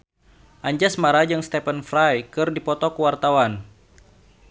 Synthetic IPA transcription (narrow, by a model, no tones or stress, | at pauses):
ʔaɲd͡ʒasmaɾad͡ʒɨŋst̪ɛpənfɾajkɨrdipɔt̪ɔkuwart̪awan